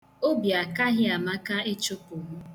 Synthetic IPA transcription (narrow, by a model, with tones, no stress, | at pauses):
o˦bja˨ka˦ɦɪ˦a˨ma˦ka˦e˦t͡ʃo˦po˨ɦu˦